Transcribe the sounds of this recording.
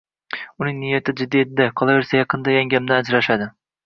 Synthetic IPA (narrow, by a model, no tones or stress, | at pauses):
ʊnɪŋnɪjat̪ʰɪd͡ʒɪd̪ːijet̪̚ɪd̪aqʰɒlˠaveɾsajɑqʰɨnd̪ajaŋɡʲamd̪aad͡ʒɾaʃad̪ɪ